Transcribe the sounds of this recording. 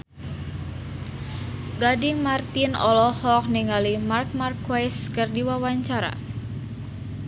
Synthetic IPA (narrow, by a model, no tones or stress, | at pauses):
ɡadɪŋmart̪inɔ̰lɔhɔk̚niŋalimark̚markwajskərdiwawaɲt͡ʃaɾa̰